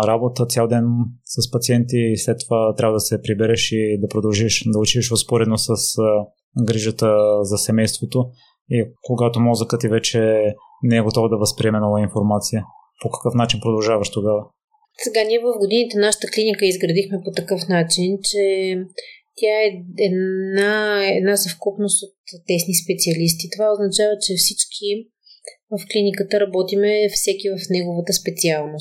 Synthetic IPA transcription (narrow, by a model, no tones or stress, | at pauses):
ɾabot̪ət̪sʲjalˠd̪ɛnsəspɐt̪siɛnt̪islɛt̪ːovat̪ɾʲabəd̪ɐsɛpɾibɛɾɛʃid̪ɐpɾod̪ɐlˠʒiʃd̪ɐʊt͡ʃiiʃvospoɾɛd̪nosəs | ɡɾiʒət̪əzɐsɛmɛjst̪vot̪o | ikoɡat̪omɔzəkət̪ivɛt͡ʃɛ | nɛɛɡot̪ɔvəd̪ɐvɐspɾiɛmɛnɔvainfoɾmat̪sijə | pokɐ̥kɤfnat͡ʃinpɾod̪ɐlˠʒavɐʃt̪oɡavə | sɛɡaniɛvɐfɡod̪init̪ɛnaʃə̥t̪əklinikəizɡɾɐd̪ixmɛpot̪ɐkɤfnat͡ʃint͡ʃɛ | t̪ʲjaɛɛnaɛd̪nazɐfkupnost̪ot̪ːɛsnispɛt̪siɐlis̬t̪it̪ovaoznɐt͡ʃavət͡ʃɛfsit͡ʃkʰi | vəfklinikət̪əɾɐbɔt̪imɛfsɛkivɐfnɛɡovət̪əspɛt̪sialˠnos